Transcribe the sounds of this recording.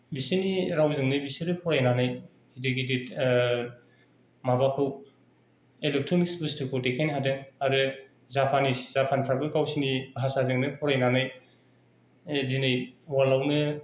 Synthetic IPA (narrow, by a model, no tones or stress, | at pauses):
bisiniɾawzɯŋnɯbisiɾɯpʰɔɾajnanaj | hidɯɡidit | mabakʰɯw | elek̚tʰɾonisbɯstɯkʰotekʰajnɦadɯaɾɯ | zapʰaniszapʰanpʰɾabɯkawsinibɦasazɯŋnɯpʰɔɾajnanaj | dinajwalawnɯ